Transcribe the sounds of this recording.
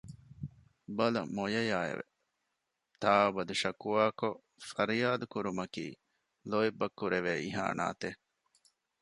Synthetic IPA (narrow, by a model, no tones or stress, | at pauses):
bɐlɐ̰mojɐjaːḛʋḛ | t̪aːubɐd̪uʃɐkuʋaːko | fɐɾijaːd̪ukuɾumɐkḭː | loibːɐkːuɾeʋeːiɦa̰ːna̰ːt̪e